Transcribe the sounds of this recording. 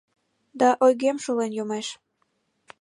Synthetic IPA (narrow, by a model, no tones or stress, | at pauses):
d̪ɑʔojɣemʃolenjomeʃ